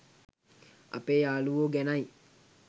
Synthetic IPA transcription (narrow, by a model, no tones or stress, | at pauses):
ɐ̰pejaːluʋoːɡɛnaj